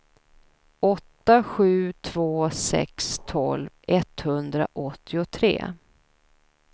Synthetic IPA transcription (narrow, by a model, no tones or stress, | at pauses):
ɔt̪ːaɧʉ̟ːt̪ʰv̥oːsɛ̰kst̪ʰɔlvɛt̪hɵnd̪ɾa̰ʔɔt̪ʰːɪʊt̪ʰɾḛː